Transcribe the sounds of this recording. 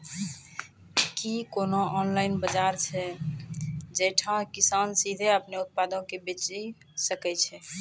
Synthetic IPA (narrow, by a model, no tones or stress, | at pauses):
kikonoʔɔːnlaɪnbəd͡ʒaɾt͡ʃʰɛ | d͡ʒɛʈʰãkisaːnsid̪ʱeəpneʊt̪̚pad̪õkebet͡ʃi | səkɛt͡ʃʰɛ